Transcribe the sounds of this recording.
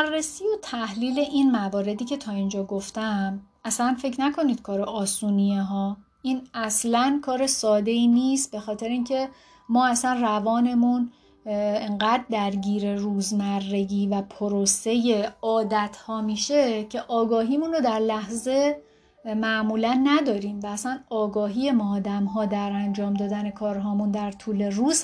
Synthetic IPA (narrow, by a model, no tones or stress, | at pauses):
rːesijo̞t̪ʰæhliːle̞ʔiːnmævɒːɾe̞d̪iːcʰe̞t̪ʰɒːind͡ʒɒːɡoft̪æm | æslænfe̞cʰnækʰo̞niːd̪̥kʰɒːɾeʔɒːsuːnijeɦɒː | ʔiːnæslænkʰɒːɾe̞sɒːd̪e̞iːniːst̪̚be̞xɒːt̪ʰe̞ɾeiːncʰe̞ | mɒːæsænrævɒːne̞mun | eŋɢæd̪̚ːæɾɟiːɾe̞ruːzmærːe̞ɡiːvæpʰoɾose̞je̞ɒːd̪æt̪ʰhɒːmiːʃe̞cʰeʔɒːɡɒːɦiːmunod̪æɾlæhze̞ | mæʔmuːlænːæd̪ɒːɾiːmvæːsænɒːɡɒːɦiːe̞mɒːd̪æmɦɒːd̪æɾænd͡ʒɒːmd̪ɒːd̪æne̞kʰɒːɾɦɒːmund̪æɾt̪ʰuːle̞ruːz̥